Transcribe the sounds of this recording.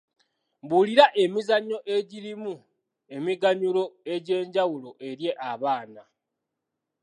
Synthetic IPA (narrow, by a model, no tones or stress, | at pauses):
buliɾaʔe̞mizaɲːo̞ʔe̞ɟiɾimu | e̞miɡaɲulo̞e̞ɟe̞ːɲɟawulo̞ʔe̞ɾje̞ʔaβaːna